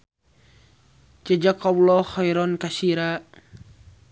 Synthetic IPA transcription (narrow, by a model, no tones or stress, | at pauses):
t͡ʃəd͡ʒakːɔwlɔhɔjɾɔnkasiɾa